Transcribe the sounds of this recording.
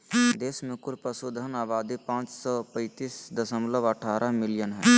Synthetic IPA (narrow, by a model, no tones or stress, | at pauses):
d̪eːsmẽkʊɾpəsud̪ʱənaːʋaːd̪ipãːt͡ʃsɔːpə̃ɪt̪iːsd̪əsəmləbəʈʰaːɾʔamɪlɪjənɦɛː